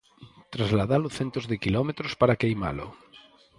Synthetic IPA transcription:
t̪ɾazlaðalʊθent̪ozðɪkilɔmet̪ɾospaɾakejma̰lʊ̰

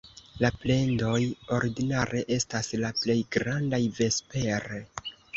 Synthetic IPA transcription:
laple̞ndo̞jo̞ɾidinaɾʔe̞ʔe̞staslaple̞jɡɾandajve̞spe̞ɾe

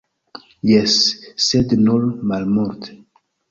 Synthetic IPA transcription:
jɛsːɛdnɔlmalmɔɾt

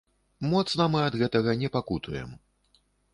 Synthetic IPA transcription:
mɔt̪snɐmɨɐd̪ɣɛt̪ɐɣɐnʲɛpakut̪ujɛ̰m

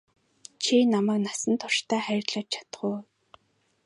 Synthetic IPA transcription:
t͡ɕʰinamæːknasə̆nt̪ʰʊr̥ʃt̪æːχæɾʲɪ̆t̪ɮə̆t͡ɕ̚t͡ɕʰḁt̪ə̆χʊː

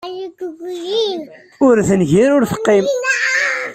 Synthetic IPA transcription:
jɡɡi | ʊɾθənʝiɾʊɾfə̥qːim

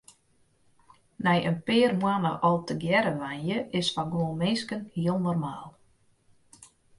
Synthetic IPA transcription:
nɛjʔənpɪːərmwanə̰ʔɔlˠtəɡjɛɾəʋanjəʔɪsfaɡwoəlmɪnskənhiəlˠnɔrmaːlˠ

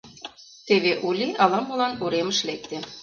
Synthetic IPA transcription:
t̪eβeʔulʲiɑlɑmɤlɑnuɾemə̆ʃlek̚t̪ĕ

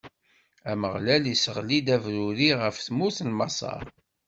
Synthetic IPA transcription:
æməʁlælisəʁlid̪ævɾuɾiʁəfθmuθlmɑ̰sˤɑ̰ɾ

